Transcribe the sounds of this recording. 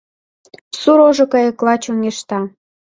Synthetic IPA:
suɾoʒokəjə̆klɑt͡ɕoŋeʃt̪ɑ

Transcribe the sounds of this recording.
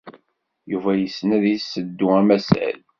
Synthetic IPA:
juvæjəsːnæðisːəd̪ːuæmæsæ̰l

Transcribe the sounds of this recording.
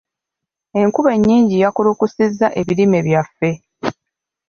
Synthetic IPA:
e̞ŋkuβe̞ɲːiːɲɟijakulukusizːaʔe̞βiɾime̞βjafːe̞

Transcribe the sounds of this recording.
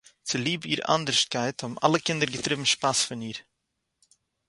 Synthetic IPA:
tʰəliːbyːɾa̰ndəɾʃt̚kajtɔma̰ləkɪndəɾɡətɾɪvm̩ʃpasfənyːɾ

